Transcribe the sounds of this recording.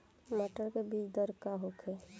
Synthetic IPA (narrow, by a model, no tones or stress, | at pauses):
məʈəɾkebid͡ʒd̪əɾkaɦokʰe